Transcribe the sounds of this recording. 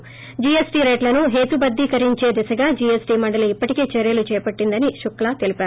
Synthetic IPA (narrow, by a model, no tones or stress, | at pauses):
d͡ʒiːesʈiːɾɐjʈlɐnuɦe̞ːt̪ubɐd̪ːiːkɐɾiɲt͡ʃe̞ːd̪isɐɡaːd͡ʒiːesʈiːmɐɳɖɐluipːɐʈikeːt͡ʃeɾjɐlut͡ʃɛːjpɐʈːind̪ɐniʃuklaːt̪elipaːɾu